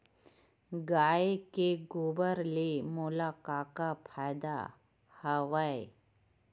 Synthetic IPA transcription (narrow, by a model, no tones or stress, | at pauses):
ɡaːekeɡobəɾlemolakaːkapʰajd̪a̰ | həʋae